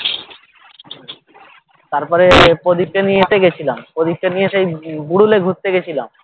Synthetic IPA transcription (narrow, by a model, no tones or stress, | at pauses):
t̪aɾpɔɾepod̪ikːenijet̪eɡet͡ɕʰilampod̪ikːenijeʃejbuɽuleɡʱut̪ːeɡet͡ɕʰilam